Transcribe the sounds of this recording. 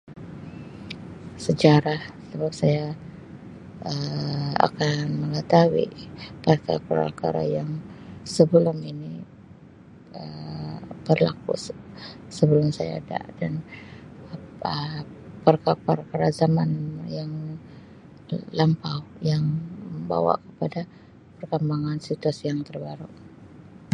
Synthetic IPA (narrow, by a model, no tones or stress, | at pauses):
səd͡ʒaɾahsəbap̚saja | əa̰kanməŋət̪awḭpərka̰ɾapəɾa̰lka̰ɾa̰jaŋsəbəlʊmini | ə | b̥ərla̰kṵs | səbəlʊmsaja̰da̰ʔdan | əpərkapəɾkaɾazamanjaŋ | lampawjaŋməmba̰wa̰ʔkə̥pada | pərkəmbaŋansit̪uasijaŋt̪ərbaɾuʔ